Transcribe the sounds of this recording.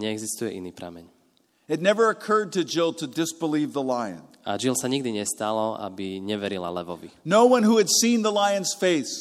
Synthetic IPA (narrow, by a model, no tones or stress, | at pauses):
ɲɛɛɡzist̪ujɛʔiniːpɾa̰mɛɲ | ɨtⁿnɛvə˞ɨkʰɜ˞d̚tɨd͡ʒɪlˠtʰɨdɪsb̥əlivðəlaɪɨ̰̃n | a̰d͡ʒilsaɲiɡ̚d̪iɲɛst̪alɔa̰biɲɛʋɛɾila̰lɛʋɔʋḭnoʊwʌ̃nhuɨdsĩnðəlaɪɨ̃nz̥feɪs